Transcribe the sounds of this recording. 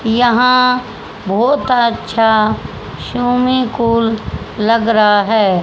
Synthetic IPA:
jɐɦã | bʱɔːt̪ətːʃʰa | ʃuːmikuːlː | ɐɡɾaaɦɛː

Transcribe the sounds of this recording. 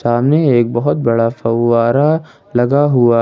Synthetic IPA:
aːmneeːk̚bɐɦʊt̪̚bɐɽafɐwaːɾa | lɐɡaɦʊa

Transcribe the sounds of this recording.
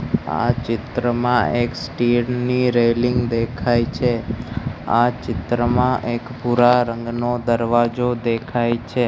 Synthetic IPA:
a̰t͡ʃɪt̪ɾəmãʔeksʈiɾniɾelɪŋɡd̪ekʰajt͡ʃʰe | a̰t͡ʃɪt̪ɾəmãʔekpuɾaɾəŋɡnod̪əɾʋad͡ʒod̪ekʰajt͡ʃʰe

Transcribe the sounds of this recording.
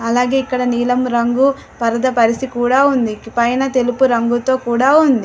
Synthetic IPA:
ɐlaːɡe̞ːikːɐɽɐniːlɐmɾɐŋɡu | pɐɾɐd̪ɐpɐɾisikuːɽaːund̪ipɐjnɐt̪e̞lupuɾɐŋɡut̪o̞ːkuːɽaːund̪i

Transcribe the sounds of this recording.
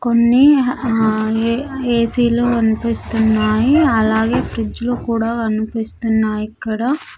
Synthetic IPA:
konːi | eːsiːlukɐnupist̪unːaːjiɐlaːɡe̞ːpɾid͡ʒulukuːɽaːkɐnupist̪unːaːjikːɐɽaː

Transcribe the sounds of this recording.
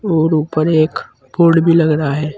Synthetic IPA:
oːɾuːpəɾeːk | pʰoːɾɽbʱilɐɡɾaaɦɛː

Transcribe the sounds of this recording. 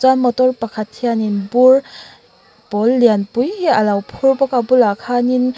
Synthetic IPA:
zamɔtɔɾpakʰatʰijaninbuɾ | b̥ɔlːijanpujhealawpʰuɾbɔkabulakʰanin

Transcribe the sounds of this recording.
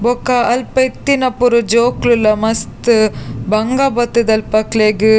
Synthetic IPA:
bokːaɐlpɐjt̪ːinɐpːuɾud͡ʒoːklɯlɐmɐst̪ɯbɐŋɡaːbɐt̪ːɯd̪ɐlpɐkleɡɯ

